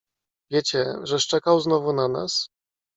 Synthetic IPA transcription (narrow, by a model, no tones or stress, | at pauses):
vʲjet͡ɕɛʐɛʂt͡ʂɛkawznɔvunana̰s